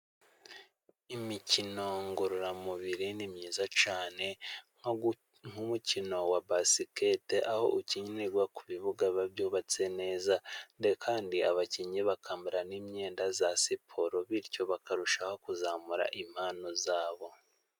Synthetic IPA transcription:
imicino̞ŋɡuɾuɾamuβiɾinimɲiːzat͡ʃaːne̞ | ŋ̥umucino̞wabasiketeʔaho̞̰ʔuciɲneɡwakuβiβuɡaβabjuːβat͡se̞ne̞ːzandekʰaːndiaβaciɲeβakʰaːmbiɾanimɲe̞ːndazasipʰoɾoβiɾco̞βakaɾuʃaho̞kuzaːmuɾa̰ʔim̥haːno̞zaːβo̞

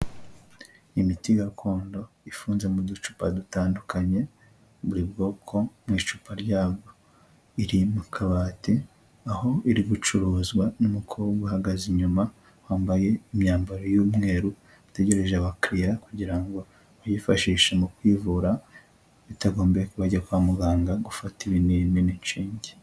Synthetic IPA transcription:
imitiɡaɾukʰoːndo̞ | ifuːnze̞mudut͡ʃu̥padutaːndukʰaɲe̞ | βuɾibɡo̞ːkʰo̞mŋiːt͡ʃupʰaɾɟaːbɡo | iɾimukʰaβaːti | aho̞ʔiɾiɡut͡ʃuɾoːzɡwanumukʰuβoɡuhaɡaziɲuma | waːmbaje̞imɲaːmbaɾojuːmŋe̞ːɾu | ite̞ɟe̞ɾe̞ʒaβakɾijakuɟiɾaŋɡo̞ | βajifaʃiːʃemukwivuɾa | βitaɡo̞ːmbekuβaɟakuβamuɡaːŋɡaɡufatiβiniininiɲt͡ʃiːɲɟe

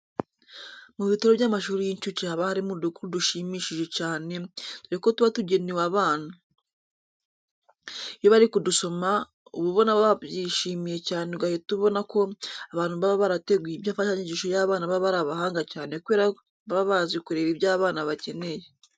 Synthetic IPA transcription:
muβitoɾoβjaːmaʃuːɾijiɲt͡ʃut͡ʃiaβahaɾimudukuɾuduʃimiːʃiʒe̞caːne̞tuɾeko̞tuβatuɟe̞niwaβaːn̥u | ijoβaɾikuduso̞ma | uβuβo̞naβaβaβjiʃiːmije̞caːne̞ɡahetuβo̞nako̞aβaːn̥huβaβaβaɾate̞ɡwiibjaːɱfaʃaɲiɟiːʃojaːβaːnaβaβaɾaβahaːŋɡacaːnekuβe̞ːɾa | βaβazikuɾe̞ɾiβjaːβaːnaβace̞ne̞je

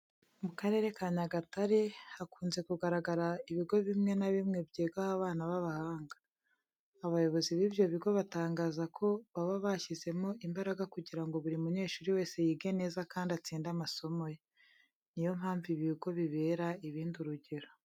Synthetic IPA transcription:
mukaɾe̞ɾe̞kaɲaɡataɾehakuːnze̞kuɡaɾaɡaɾaiβiɡo̞βimŋe̞naβimŋe̞bɟeːɡahaβaːnaβaβahaːŋɡaː | βajo̞βo̞ziβibjo̞βiɡo̞βataːŋɡaːzakʰo̞βaβaβaçize̞mo̞ʔimbaɾaɡakuɟiɾaŋɡo̞βuɾimuɲe̞ːʃuːɾiwe̞ːse̞jiːɡe̞ne̞ːzakaːndat͡siːndamaso̞mo̞je | nijo̞m̥haːɱviβiɡo̞βiβe̞ːɾaiβiːnduɾuɟe̞ɾo̞

